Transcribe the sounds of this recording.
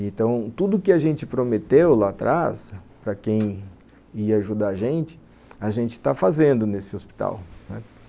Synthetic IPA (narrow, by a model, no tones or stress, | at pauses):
ẽnt̪ɐ̃w̃t̪ud̪ʊkɪaʒẽnt͡ʃɪpɾomet̪ewlat̪ɾʔaspɾɐkẽj̃ | iɐaʒud̪aʒẽnt͡ʃɪ̥ | aʒẽnt͡ʃɪ̥t̪afazẽnd̪ʊnesɪospi̥t̪a̰wnɛ